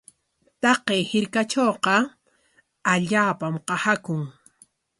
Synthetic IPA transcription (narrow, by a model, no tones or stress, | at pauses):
t̪ɑqejhɪɾkat͡ʃoːqɑ | aʎaːpamqɑhakʊŋ